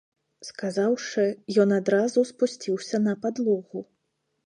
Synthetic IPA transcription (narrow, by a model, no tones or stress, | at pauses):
skazawʂɨjɔnad̪ɾazuspusʲt͡sʲiwsʲɐnɐpad̪lˠɔɣu